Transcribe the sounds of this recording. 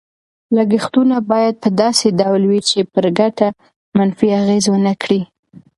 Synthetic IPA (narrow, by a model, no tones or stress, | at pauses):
laɡixt̪unabɑjad̪̚pəd̪ɑsed̪awlwit͡ʃepəɾɡaʈa | manfiaɣezwənəkɽi